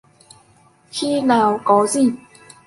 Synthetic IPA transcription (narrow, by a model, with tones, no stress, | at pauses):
kʰi˦la˨˩wkɔ˨˦zi˥˩˨